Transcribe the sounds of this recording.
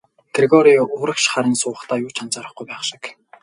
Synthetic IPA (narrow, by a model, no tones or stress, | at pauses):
t̪ʰɾeɣɔɾiʊɾə̆kʃχaɾʲɪ̆ːnsʊ̆ːχt̪ʰaːjʊːt͡ɕʰant͡saːɾə̆χɡujpæːχʃɪ̥̆k